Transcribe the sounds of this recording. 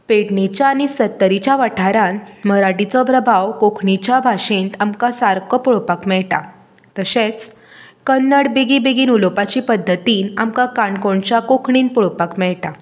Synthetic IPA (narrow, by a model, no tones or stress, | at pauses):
peɽnit͡ɕjaːɽisət̪ːəɾit͡ɕjaʋaʈʰaɾanməɾaʈit͡sɔpɾəbʱawkokʰɳit͡ɕabʱaɕint̪amkãsaɾkɔpuɭopakmɛɭʈa̰ | t̪əɕẽt͡s | kənːəɽbeɡibeɡiːnulopat͡ɕiːpəd̪ʱːət̪iːna̰mkãkaɳkoɳt͡ɕakokʰɳiːnpuɭopakmɛɭʈa